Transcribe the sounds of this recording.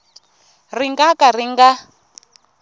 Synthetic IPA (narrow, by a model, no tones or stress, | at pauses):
riŋɡakariŋɡa